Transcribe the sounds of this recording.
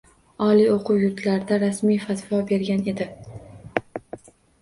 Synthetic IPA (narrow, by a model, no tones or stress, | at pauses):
ɒlˠioqʰʊwjʊɾt̪ʰlaɾd̪aɾasmijfat̪vɒbe̞ɾɡʲane̞d̪ɪ